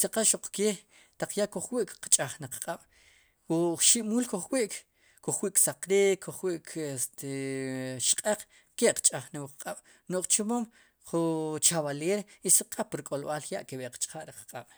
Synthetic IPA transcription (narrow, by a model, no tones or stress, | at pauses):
saqaʃoq͡χkeː | t̪aq͡χjaʔkoχwiʔkqt͡ʃʼaχnaqqʼaɓ̥ | uχʃiʔmuːlkoχwiʔk | kuχwiːʔksaqɾikʰːoχwiʔk̪ | ʃqʼeq͡χ | keʔqt͡ʃʼaχnawqqʼaɓ̥ | noʔχt͡ʃomom | χut͡ʃaβaleːɾisaqʰʼapɾkʼolɓaljaʔkeɓeqt͡ʃʼχaʔɾiqqʼaɓ̥